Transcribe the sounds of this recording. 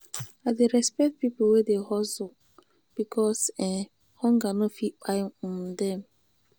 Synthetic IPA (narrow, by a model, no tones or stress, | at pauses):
adeɾɛspɛk̚t̚pip̩wedeɦɔzʊ | b̥ikʰɔsɛ | hɔŋɡanofik͡pamdɛm̩